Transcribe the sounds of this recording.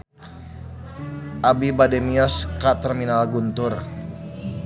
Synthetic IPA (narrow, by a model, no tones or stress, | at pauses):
ʔabibadɛmiɔskat̪ərminalɡunt̪ʊr